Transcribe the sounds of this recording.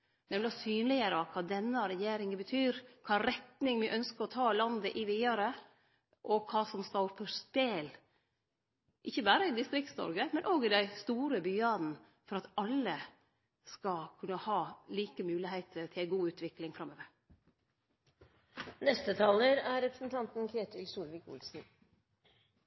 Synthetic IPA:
nɛmlɑsyːnlɪəɾəɑkʰɑːd̪ɛnːəɾɛjeːɾɪŋəbət̪ʰyːɾkʰɑːɾɛt̪nɪŋmɪʔœnskəɾɔt̪ʰɑːlɑnd̪əʔɪʋiːɑɾə | ʔɔkʰɑːsɔmst̪ɑːpʰəspeːl | ʔɪçːəbæːɾəɪd̪ɪst̪ɾɪk̚t̪snɔ̰ɾɡəmɛnʔoːɡɪd̪æɪst̪uːɾəbyːɑd̪n̩ | fɔɾɑt̪ɑlːə | skɑkʰʉnːəhɑːliːkəmʉːlɪheɪt̪ʰət̪ʰɪlæɪɡuːʉːt̪ʋɪklɪŋfɾɑmːøːʋəɾ | nɛst̪ət̪ʰɑːləɾæɾɛpɾəsn̩t̪ʰɑnt̪n̩kʰɾeːt̪ʰɪlsuːlʋɪkʊ̰lsn̩

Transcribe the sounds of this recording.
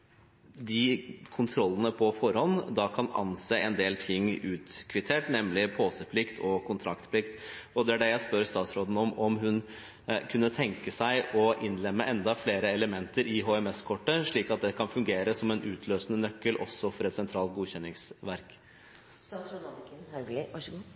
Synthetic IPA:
d̪ɪkʰʊnt̪ʰɾɔlːənəpʰɔfɔɾhɔnd̪ɑkʰɑnɑ̰nseːʔɛnd̪eːlt̪ʰɪŋːʉːt̪kʰʋɪt̪ʰeːʈnɛmlɪpʰoːsəpʰlɪkt̪ʰɔkʰʊnt̪ʰɾɑkt̪pʰlɪkt̪ɔd̪ɛæɖɛjæɪspœɾst̪ɑːt̪sɾoːd̪n̩ɔmɔmɦʉn | kʰʉnːət̪ʰɛŋkəsæɪʔɔʔɪnːlɛmːəʔɛnd̪ɑfleːɾəɛləmɛnt̪əɾʔɪɦoːɛmɛskʰɔʈːəʂɭiːkɑt̪̚d̪ɛkʰɑnfʉŋɡeːɾəsɔmɛnʔʉːt̪ʰløːsənənœkːəlʔɔ̰sːɔfɔɾɛt̪sɛnt̪ʰɾɑːlt̪̚ɡuːçɛnːɪŋsʋæɾk

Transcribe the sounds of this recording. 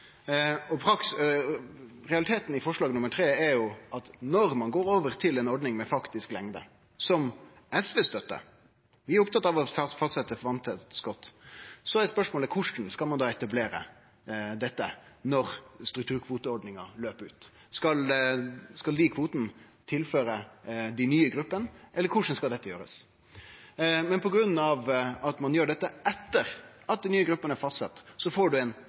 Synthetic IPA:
ɔpʰɾɑks | ɾɛɑlɪt̪ʰeːt̪n̩ɪfɔʂɭɑːɡnʊmːəɾʈʰɾeːɛɾjʊʔɑt̪nɔɾmɑnɡoːɾoːʋəɾt̪ʰɪlɛnɔɖnɪŋmɛfɑkt̪ɪsklɛŋd̪ə̰ | sɔm | ɛsʋɛːst̪œt̪ːə̰ɾ | ʋɪæɾʊpt̪ɑt̪ːɑʋɔfɑst̪sɛt̪ːəfɔɾʋɑnt̪ʰət̪skɔt̪ːsɔæɛspœʂmoːləkʰʊʂn̩skɑlmɑnd̪ɑːɛt̪ɑbleːɾə̰ | d̪ɛt̪ːənɔɾst̪ɾʉkt̪ʰʉːɾkʰʋuːt̪əɔɾɖnɪŋɑløːpəɾʉːt̪ | skɑl | skɑld̪ikʰʋuːt̪n̩ | t̪ʰɪlføːɾəd̪æɪnyːəɡɾʉpːənʔɛlːəɾkʰʊʂn̩skɑld̪ɛt̪ːəjøːɾə̰s | mɛnpʰɔɡɾʉnːɑʋɑt̪mɑnjøːɖɛt̪ːəɛt̪ːəɾʔɑt̪̚d̪ɪnyːəɡɾʉpːənæɾfɑst̪sɛt̪ːsɔfoːɖʉɛn

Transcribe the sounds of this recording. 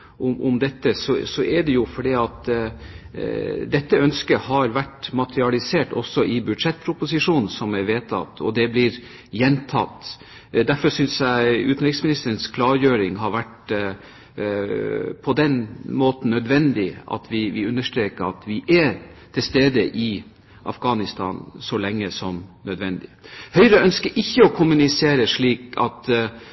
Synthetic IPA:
ʊmʔʊmd̪ɛt̪ːəsɔsɔʔɛɖɛjʊfɔɖiːɑt̪ | d̪ɛt̪ːəœnskəhɑɾʋæʈmɑt̪ɾɪɑlɪseːʈɔ̰sːɔʔɪbʉd̪ʂɛt̪̚ːpʰɾʊpʊsɪʂuːnn̩sɔmæʋeːt̪ʰɑ̰t̪ːɔ̰d̪ɛblɪɾ | jɛnt̪ʰɑ̰t̪ː | d̪æɾfɔsʏnsjæɪʉːt̪n̩ɾɪksmɪnɪst̪əɾənskʰlɑːɾjøːɾɪŋɦɑɾʋæʈ | pʰɔd̪ɛnmoːt̪n̩ːœd̪ʋɛnd̪ɪɑ̰t̪ʰʋɪʋɪʉnːəʂʈɾeːkəɾɑ̰t̪ʰʋɪʔɛt̪ʰɪlst̪eːd̪əʔɪ | ʔɑ̰fɡɑːnɪst̪ʰɑ̰ːnsɔlɛŋːəsɔmnœd̪ʋɛnd̪ɪhœʏɾəœnskəɾʔɪçːəɔkʰʊmʉnɪseːɾəʂɭiːkɑ̰t̪

